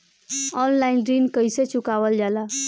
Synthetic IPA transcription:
ɔnlainɖɾinkəjset͡ʃukaʋəld͡ʒala

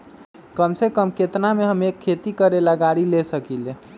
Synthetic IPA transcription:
kəmsekəmket̪nameɦəmekʰːet̪ikəɾeləɡaɽilesəkile

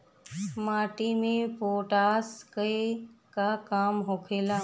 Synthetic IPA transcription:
maːʈimẽpoːʈaːskəekakaːmɦokʰeːlaː

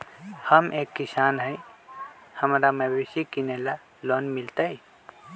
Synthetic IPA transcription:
həmʔeːkːɪsaːnɦɛj | hɐmɾamɐbesikineːla | loːnmɪlt̪aɦɛ

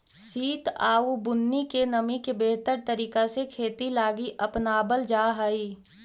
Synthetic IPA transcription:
siːt̪aːubʊnːikenəmikebeːɦt̪əɾt̪əɾiːkasekʰeːt̪ilaːɡiʔɐpnaːbəld͡ʒaːɦaːiː

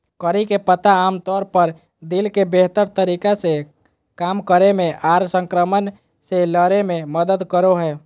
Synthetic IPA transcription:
kəɾikepət̪aːmt̪ɔɾpəɾ | d̪ilkebeɦt̪əɾt̪əɾikase | kamkəɾemeʔaɾsə̃ŋkɾəmən | seləɾememəd̪əd̪kəɾoɦɛː

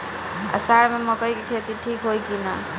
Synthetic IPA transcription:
a̰saɾmeməkəjkekʰet̪iʈʰikɦojkina

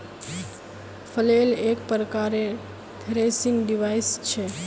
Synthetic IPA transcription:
pʰəlelekpɾəkaɾe | t̪ʰeɾesinɖiʋajst͡ʃʰɛ

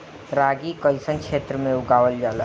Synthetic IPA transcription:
ɾaːɡikəlsənkʃeːt̪ɾəmẽʊɡaːʋəld͡ʒaːla

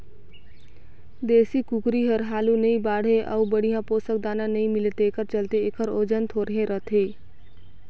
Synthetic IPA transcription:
d̪eːsikukɾiɦəɾɦaːlũnɐĩbaːɽ̤eʔɐ̰ubəɽ̤ijãpoːsək̚d̪aːnãnɐɦĩmɪlt̪ekəɾt͡ʃəlt̪eekʰəɾoːd͡ʒənt̪ʰoːɾəɦẽɾət̪ʰeː

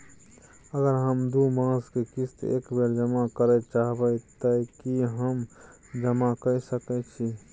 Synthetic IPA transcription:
əɡəɾɦəmd̪umãskekist̪ḛkbeɾd͡ʒəmakəɾɛt͡ʃaɦbət̪əkiɦəm | d͡ʒəmakəjsəkɛt͡ʃʰi

